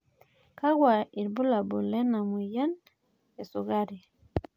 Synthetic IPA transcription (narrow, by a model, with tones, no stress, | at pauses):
ka˦ɡwa˨i˨ɾbu˦la˨bu˨lɛ˦na˨mu˨ja˦n | e˨su˨ɣa˦ɾi˨